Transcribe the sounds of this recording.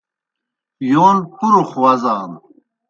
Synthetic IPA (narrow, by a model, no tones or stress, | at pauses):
joːnpuɾuχwɐzaːn